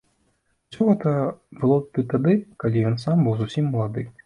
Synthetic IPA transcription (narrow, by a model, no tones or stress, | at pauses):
u̥sʲɔɣɛt̪ɐbɨlˠɔt̪ɨt̪ad̪ɨkalʲijɔnsambɨwzusʲimːɐlˠad̪ɨ